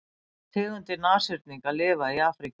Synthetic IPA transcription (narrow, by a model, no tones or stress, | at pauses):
θʰɪːɣʏnt̪ɪnaːsɪɾt̪̚niŋkaðlɪːvaiaːfɾik